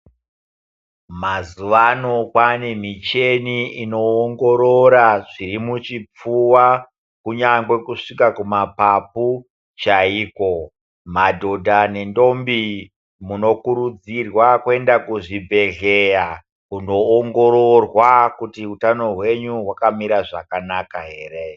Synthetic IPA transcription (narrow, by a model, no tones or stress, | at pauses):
mazuʋano̞kwanemit͡ʃe̞niino̞ːŋɡo̞ɾoɾaʐiɾimut͡ʃip͡fuwa | kuɲaŋɡwe̞kuʂikakumapapu | t͡ʃaiːko̞ | madʱo̞dʱane̞ndo̞mbi | muno̞kuɾud͡zirwakwe̞ndakuʐibʱe̞ɮeja | kuno̞ːŋɡo̞ɾo̞rwakutiutano̞ɦwe̞ɲuɦwakamiɾaʐakanakaɦe̞ːre̞